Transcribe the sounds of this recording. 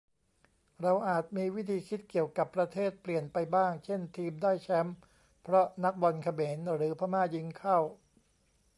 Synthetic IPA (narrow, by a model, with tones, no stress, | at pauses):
ɾa˧wʔaː˨˩t̪̚miː˧wi˦˥t̪ʰiː˧kʰi˦˥t̪̚ki˨˩əwka˨˩pːɾa˧t̪ʰeː˥˩t̪̚pli˨˩ənpa˧jbaː˥˩ŋt͡ɕʰe˥˩nt̪ʰiː˧mdaː˥˩jt͡ɕʰɛ˦˥m | pʰɾɔ˦˥na˦˥k̚bɔ˧nkʰa˧meː˩˦nɾɯː˩˦pʰaː˧˥maː˥˩ji˦˥ŋkʰa˥˩w